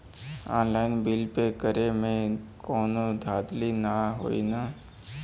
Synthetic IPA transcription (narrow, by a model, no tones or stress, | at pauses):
ɔ̰ːnlaːɪnbɪlpekəɾemẽkɔːnod̪ʱaːd̪linaɦo̰ːḭnaː